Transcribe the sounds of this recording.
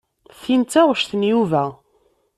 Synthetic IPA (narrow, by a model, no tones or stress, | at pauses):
θint͡s̪ːæʁʃθənjuvæ